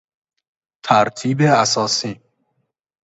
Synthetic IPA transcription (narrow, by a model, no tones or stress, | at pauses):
t̪ʰæɾt̪ʰiːbeæsɒːsiː